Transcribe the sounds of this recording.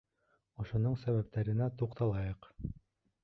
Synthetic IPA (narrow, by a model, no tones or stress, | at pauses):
ŏʃŏnoɴsæβæp̚t̪æɾɘ̆næt̪uqt̪ɑlˠɑjɤq